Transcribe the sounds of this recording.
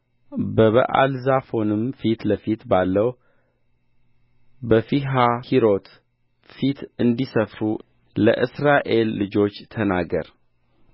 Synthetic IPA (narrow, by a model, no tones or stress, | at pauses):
bəβə̰ʔa̰lzafo̞nɨmfit̪ləfit̪balːəw | bəfiɦahiɾo̞t̪ | fit̪ɨnd̪isəfɾu | lə̰ʔɨsɾaʔe̞lːɨd͡ʒo̞t͡ʃːt̪ʰənaɡə̰ɾ